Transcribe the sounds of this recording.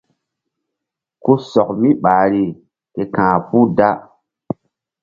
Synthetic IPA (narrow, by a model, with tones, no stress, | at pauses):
ku˦sɔ˨k̚mi˦ɓaː˨ɾi˦ | ke˨kãː˨pu˦da˦